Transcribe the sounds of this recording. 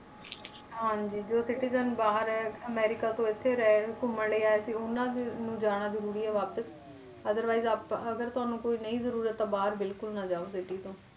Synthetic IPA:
ɦãːd͡ʑiːd͡ʒoːsɪʈizənbaːɦəɾɦɛɐmɛːɾɪkat̪õɪt̪ʰːeɾɐɦeɦʊkʊmːɐleaːɦesiʊnãnũːd͡ʒaːɽ̃azɐɾuːɾiɦɛʋaːpəs | ɐd̪əɾʋaːɪzaːpɐɡəɾt̪ʊɦãːnũkoːinɐizɐɾuːɾət̪ːabaːɦəɾbɪlkʊlnɐd͡ʒaːosɪʈit̪õː

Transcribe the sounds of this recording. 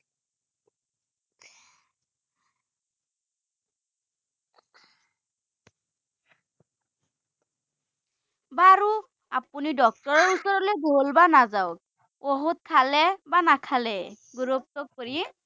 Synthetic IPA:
baɹu | apunidɔk̚tɔɹɔɹusɔɹɔlɛɡolbanazawk̚ | oɦut̚kʰalɛbanakʰalɛ | ɡuɹup̚tɔkkoɹi

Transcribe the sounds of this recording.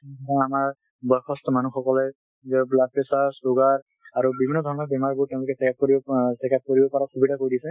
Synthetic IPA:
ɛɔtʰɔamaɹ | bɔɹkʰɔstɔmanuxɔkɔlɛ | zɛblad̚pesasuɡaɹ | aɹubibʱinːɔd̪ʱɔɹɔnɔbɛmaɹbuɹtɛʊ̃lʊkɛsɛkap̚koɹibɔsɛkap̚koɹibɔpɔɹakʰubidakoɹidisɛ

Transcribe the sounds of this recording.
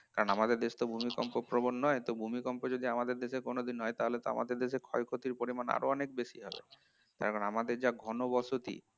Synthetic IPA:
kaɾonamad̪eɾd̪eʃt̪obʱumikɔmpopɾobonːɔet̪obʱumikɔmpod͡ʑod̪iamad̪eɾd̪eʃekonod̪inɦɔjt̪aɦolet̪oa̰ma̰d̪eɾd̪eʃekʰɔjkʰot̪iɾpoɾimana̰ɾoɔnekbeʃiɦɔbḛ | t̪a̰ɾkɔnamad̪eɾd͡ʑaɡʱɔnobɔsot̪ḭ

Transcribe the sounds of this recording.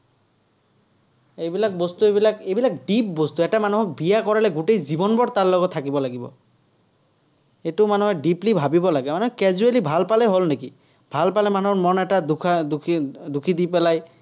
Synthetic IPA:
ejbilak̚bost̪uebilakejbilakɖip̚bost̪uɛʈamanuɦɔk̚bijakɔɹalɛɡuʈejzibɔnbɔɽt̪aɹlɔɡɔt̪ʰːakibɔlaɡibɔ̰ | etumanuɦɔɖiplibʱabibɔlaɡɛmanɛɦɔkɛzualibʱalpalɛɦolneki | bʱalpalɛmanɦɔɹmɔnɛʈad̪ukʰad̪ud̪ukʰid̪ipɛlaj

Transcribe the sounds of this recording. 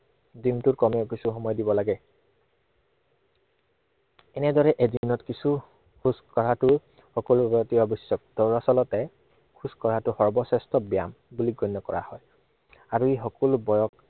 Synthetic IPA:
dintʊɹkɔmɛʊkisʰuxɔmɔjdibɔlaɡɛ | ɛnɛdɔɹɛʔedinɔtkisʰu | kʰuskɔɹatʊ | xɔkɔlbɔɔtiɔbɔsːɔk̚d̥ɔɹasɔlɔtɛ | kʰuskɔɹatʊxɔɹbɔsɛstɔbija̰m | buliɡɔnːɔkɔɹa̰hɔj | aɹuixɔkɔlbɔjɔk

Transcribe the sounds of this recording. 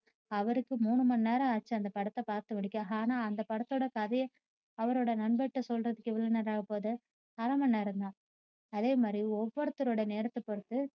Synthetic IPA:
ɐʋɐɾɯkːɯmuːɳːɯmɐnːeːɾɐ̃aːt͡ʃːɯɐnd̪ɐpɐɽɐt̪ːɐpaːɾt̪ɯʋɐɽɪkːaːaːnaːɐnd̪ɐpɐɽɐt̪ːoːɽɐkɐðɐjɐ | ɐʋɐɾoːɽɐnɐɳbɛʈːɯsɔlrɐðɯkːɛʋɐɭoːnɛɾaːɣɐpoːðɯ | ɐɾɐmɐnːaːɪɾɯnd̪ãː | ɐðeːmaːd̪ɾiɔʋːɔɾɐt̪ːɯɾoːɽɐneːɾɐt̪ːɯpːɔɾɯt̪ːɯ

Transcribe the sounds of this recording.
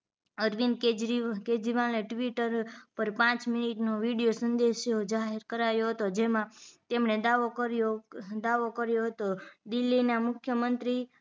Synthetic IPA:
əɾʋinked͡ʒɾiked͡ʒɾiʋaleʈʋiʈəɾpəɾpãt͡ʃminiʈnoʋiɽijosənd̪eʃod͡ʒaɦeɾkəɾajoɦət̪od͡ʒemãt̪emɳed̪aʋokəɾjod̪aʋokəɾjoɦət̪od̪ɪlːinamʊkʰjəmənt̪ɾi

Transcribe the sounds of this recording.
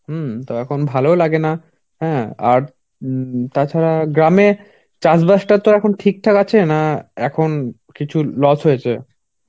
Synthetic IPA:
t̪oɛkʰonbʱalolaɡena | ɦɛ̃ːa̰ɾ | t̪at͡ɕʰaɾaɡɾame | t͡ɕasbaʃʈaɾt̪oɾɛkʰonʈʰik̚ʈʰakat͡ɕʰenaɛkʰon | kit͡ɕʰulɔsɦojet͡ɕʰḛ

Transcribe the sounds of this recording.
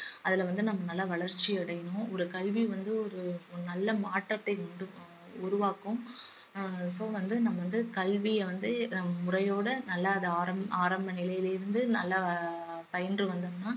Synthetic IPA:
ɐðɪlɐʋɐnd̪ɯnɐmːɐnɐlːɐʋɐɭɐɾt͡ʃːiɐɽɐjɐnʊ̃ɔɾɯkɐɭʋiʋɐnd̪ɯɔɾɯnɐlːɐmaːʈːɐt̪ːɐɪkʊɳɖɯ | ʊɾʊʋaːkɯ̃m | soːʋɐnd̪ɯnɐmːɐʋɐnd̪ɯkɐɭʋɪjɐʋɐnd̪ɯmʊrɐjoːɽɐnɐlːɐːðɯaːɾɐmaːɾɐmbɐnɪlɐjɪlɪɾɯnd̪ɯnɐlːɐ | pɐjɐnrɯʋɐnd̪ɯmnaː

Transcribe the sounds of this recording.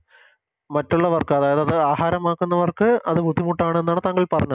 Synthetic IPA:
mɐtːuɭːɐʋɐrkɨɐðaːjɐðɐðɨaːɦaːɾɐmaːkːunːɐʋɐrkɨɐðɨbʱud̪ʱːimuʈːaːɳɨe̞nːaːɳɨt̪aːŋːɡɐɭpɐrɐɲːɐ

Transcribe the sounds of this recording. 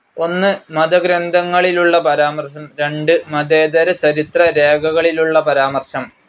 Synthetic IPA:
o̞nːɨmɐd̪ɐɡɾɐnd̪ʱɐŋːɐɭiluɭːɐpɐɾaːmɐrʂɐmɾe̞ɳɖɨmɐd̪e̞ːd̪ɐɾɐt͡ɕɐɾit̪rɐɾe̞ːɡʱɐɣɐɭiluɭːɐpɐɾaːmɐrʂɐm

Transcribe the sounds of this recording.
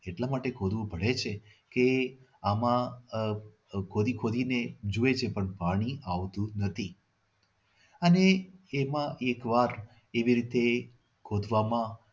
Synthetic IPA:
eʈlamaʈekʰod̪ʱʋũbʱəɭet͡ʃʰe | ke | amã | kʰod̪ikʰod̪ined͡ʒuet͡ʃʰepəɳpaɽ̃iaʋt̪ũnət̪ʰi | əneemãʔekʋaɾ | eʋiɾit̪e | kʰod̪ʱʋamã

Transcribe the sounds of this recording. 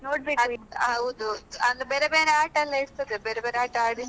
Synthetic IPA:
noːɽbeɐɦɐwd̪uɐnd̪ubeːɾebeːɾeaːʈɐlːeːɽt̪ɐd̪ebeːɾebeːɾeaːʈɐaːɽi

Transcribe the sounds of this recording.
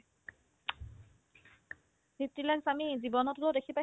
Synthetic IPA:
bip̚tilaksamizibɔnɔtulodekʰipa

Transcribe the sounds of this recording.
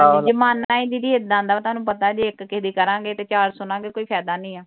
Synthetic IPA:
d͡ʒɪmaːnãːĩːd̪iːɾiet̪d̪ãːnd̪aːt̪ʊɦaːnũːpət̪aːd͡ʒiɪkːɪd̪iːkəɾãːɡeːt̪eːt͡ʃaːɾsʊnãːɡeːkoːiːpʰɛːd̪aːnĩːɛː

